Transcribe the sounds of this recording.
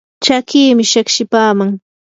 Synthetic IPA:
t͡ʃakiːmɪʃakʃɪpaːmaŋ

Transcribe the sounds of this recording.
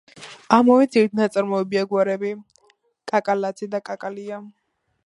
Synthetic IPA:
amɔvɛziɾt̪̚ʰnat̪sʼaɾmɔɛbiaɡwaɾɛbi | kʼakʼalat̪sʰid̪akʼakʼalia

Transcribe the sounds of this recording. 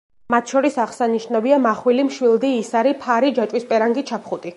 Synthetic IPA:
mat̪ʰʃɔɾisaʁsaniʃnaviamaχwilimʃwilˠd̪iːsaɾipʰaɾid͡ʒat͡ʃʼwispʼɛɾaŋɡit͡ʃʰapʰχut̪ʼi

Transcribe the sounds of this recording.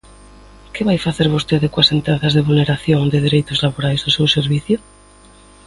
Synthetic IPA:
keβajfaθeɾβost̪eðekwasent̪ɾaθazðeβulneɾaθjoŋd̪eð̞eɾejt̪ozlaβoɾajzðosewseɾβ̞iθjo

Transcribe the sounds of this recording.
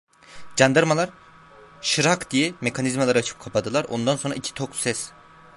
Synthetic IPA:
d͡ʒand̪aɾmalˠaɾ | ʃɯɾakd̪ijɛme̞kʰanizmalˠaɾat͡ʃʰɯ̥p̚kʰapʰad̪ɯlˠaɾo̞̰nd̪ansonɾa̰icʰi̥t̪ʰoksɛs

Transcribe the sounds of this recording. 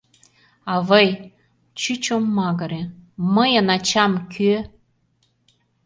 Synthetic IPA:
ɑvəj | t͡ɕyt͡ɕomːɑɣɤ̆ɾeməjə̆nɑt͡ɕɑmkʰy

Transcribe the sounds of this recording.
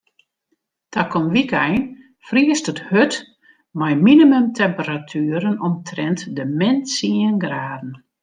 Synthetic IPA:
tʰakɔnʋikɛjn | friəstəthøt | majminimømtʰɛmpəɾatʰyəɾənɔmtʰrɛntdəmɛnsiənɡraːdn̩

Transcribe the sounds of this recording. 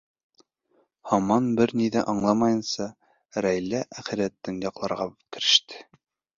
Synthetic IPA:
hɑmɑnbɘɾniðæʔɑɴlˠɑmɑjɤ̆nsɑ | ɾæjlæʔæχɘ̆ɾæt̪ːɘŋjɑqlˠɑɾʁɑkɘ̆ɾɘ̆ʃt̪ʰɘ̥

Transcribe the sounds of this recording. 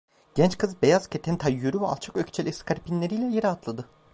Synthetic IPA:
ɟ̥ɛnt͡ʃkʰɯzbe̞jaz̥cʲʰet̪ʰɛnt̪ʰajːøɾyvɛa̰lˠt͡ʃʰḁkøcʲt͡ʃʰɛlʲɛskʰaɾpinlʲeɾijlʲɛjeɾiat̪ʰlˠad̪ɯ

